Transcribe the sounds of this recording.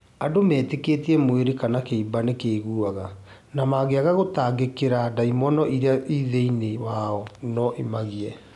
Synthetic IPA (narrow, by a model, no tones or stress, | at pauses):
adomɛːtekeːtiɛmoeɾekanakeibanekeːɣuaɣa | namaːɣeaɣaɣotaːɡekeɾadaimɔnɔʔiɾeaʔiðeinewaɔnɔʔemaɣiɛ